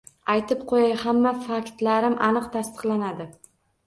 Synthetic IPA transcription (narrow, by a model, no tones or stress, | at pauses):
ajt̪ʰɪp̚qʰojajhamːafakʲt̪laɾɪmʔanɨqt̪ʰast̪ɨ̥qlˠanad̪ɪ